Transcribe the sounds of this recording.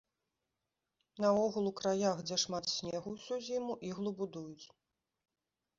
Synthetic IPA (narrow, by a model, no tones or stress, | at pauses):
nɐɔɣulˠukɾajaxd͡zʲɛʂmat̪sʲnʲɛɣuwsʲuzʲimuʔiɣlˠubud̪ujut͡sʲ